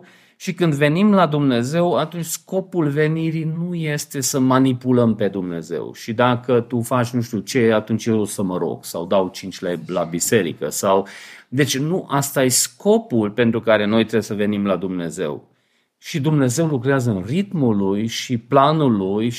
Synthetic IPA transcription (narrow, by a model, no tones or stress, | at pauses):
ʃikɨnd̪ve̞nimlad̪umne̞ze̞wat̪unt͡ʃʲsko̞pulve̞niɾinuje̞st̪e̞səmanipuləmpe̞d̪umne̞̰ze̞̰wʃid̪akət̪ufat͡ʃʲnuʃt̪iut͡ʃe̞at̪unt͡ʃjeɾusəməɾo̞̰ɡ̥sa̰wd̪awt͡ʃint͡ʃʲlelabise̞ɾḭkə̰sawd̪e̞t͡ʃʲnuʔast̪ajesko̞pulpe̞nt̪ɾukaɾe̞no̞jt̪ɾebesəve̞nimlad̪umne̞̰ze̞̰w | ʃid̪umne̞ze̞wlukɾeazəɨnrit̪mulujʃiplanuluj